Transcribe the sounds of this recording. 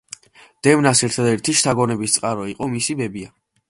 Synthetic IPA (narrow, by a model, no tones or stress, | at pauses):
d̪̥ɛvnasɛɾt̪ʰad̪ɛɾt̪ʰiʃt̪ʰaɡɔnɛbist̪sʼqʼaɾɔiqʼɔmisibɛbia